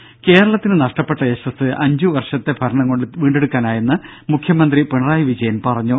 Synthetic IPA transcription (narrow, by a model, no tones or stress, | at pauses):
ke̞ːɾɐɭɐt̪ːinɨnɐʂʈɐpːe̞ʈːɐeɕɐsɨʔɐɲd͡ʑuʋɐrʂɐt̪ːe̞bʱɐɾɐɳɐŋko̞ɳɖɨʋiːɳɖe̞ɽukːaːnaːjenːɨmukʰjɐmɐnd̪ripeɳɐraːjɐʋid͡ʑɐjɐnpɐrɐɲːu